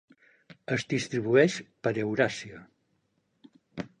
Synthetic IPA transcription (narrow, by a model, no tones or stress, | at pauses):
əzd̪ist̪ɾiβuɛʃpəɾewɾasiə